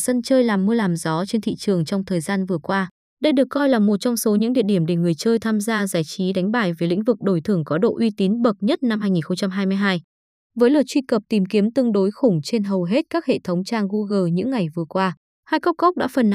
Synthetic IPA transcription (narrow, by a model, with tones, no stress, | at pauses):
sə˧nt͡ɕəː˧jlaː˨˩mːɨ˧əlaː˨˩mzɔ˨˦t͡ɕe˧nt̪ʰḭ˧˨t͡ɕɨ˨˩əŋt͡ɕɔ˧wŋ͡mt̪ʰəː˨˩jzaː˧nvɨ˨˩əkwaː˧ | ɗə˧jɗɨ˨˩əkːɔ˧jlaː˨˩mo˨˩t̚t͡ɕɔ˧wŋ͡mso˨˦ɲɨ̰˧˥ŋɗḭ˧əɗi˧˩əmɗe˨˩ŋɨ˨˩əjt͡ɕəː˧jt̪ʰaː˧mzaː˧zaː˧˩jt͡ɕi˨˦ɗa˨˦jŋ̟ɓaː˧˩jveː˨˦jlḭ̈˧˥ŋ̟vɨ˨˩k̚ɗo˧˩jt̪ʰɨ˨˧˩əŋkɔ˨˦ɗo̰˧˨ʔwi˧t̪i˨˦nɓə˨˩t̚ɲə˦˥t̚na˧mɦaː˧jŋi˨˩nxə˧ŋ͡mt͡ɕa˧mɦaː˧jmɨ˧jɦaː˧j | vəː˨˦jlɨ˨˩t͡ɕwi˧kə˨˩p̚t̪i˨˩mki˨˦əmt̪ɨ˧əŋɗo˨˦jxʊ˧˩ŋ͡mt͡ɕe˧nɦə˨˩wɦe˦˥t̚kaː˦˥k̚hḛ˧˨t̪ʰə˨˦wŋ͡mt͡ɕaː˧ŋɣu˧ɣəː˧˩ɲɨ̰˧˥ŋːa˨˩jvɨ˨˩əkwaː˧ | haː˧jkɔ˦˥k͡p̚kɔ˦˥k͡p̚ɗa̰ː˧˥fə˨˩nː˨˦